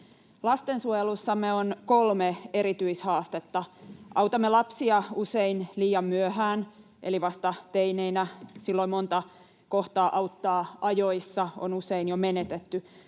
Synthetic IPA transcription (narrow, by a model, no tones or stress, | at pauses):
lɑst̪ensuojelusːɑmːeonkolmeeɾit̪yishɑːst̪et̪ːɑʔɑwt̪ɑmːelɑpsiɑuseinliːjɑmːyøhæːn | ʔeliʋɑst̪ɑt̪eineinæsilːoimont̪ɑ | koht̪ɑːʔɑwt̪ːɑːʔɑjoisːɑo̰nuseinjomenet̪et̪ːy